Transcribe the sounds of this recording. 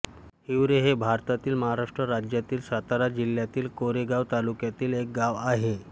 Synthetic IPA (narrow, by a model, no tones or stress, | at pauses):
hiwɾeɦebʱaɾt̪at̪iːlməɦaɾaʂʈɾəɾad͡ʑjat̪iːlsat̪aɾad͡ʑiljat̪iːlkoɾeɡaʋt̪alukjat̪iːlek̚ɡaʋaɦe